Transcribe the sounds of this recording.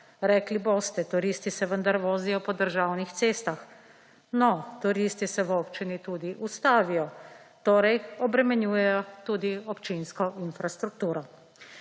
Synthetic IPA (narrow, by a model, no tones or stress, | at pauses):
ɾɛkliboːst̪ɛt̪uɾist̪isɛʋənd̪aɾʋoːzijɔpɔd̪əɾʒaːwnixt̪seːst̪ax | nɔt̪uɾist̪isɛʋɔːpt͡ʃinit̪uːd̪iʔust̪aːʋijɔ | t̪oːɾɛjɔbɾɛmɛnjuːjɛjɔt̪uːd̪iɔpt͡ʃinskɔʔinfɾast̪ɾuk̚t̪uːɾɔ